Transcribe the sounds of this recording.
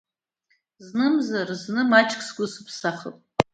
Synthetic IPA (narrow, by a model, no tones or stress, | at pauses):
znɨmzarznɨmat͡ʃʰʼkʰʼsɡʷʊsɨpʰsaχə̰pʼ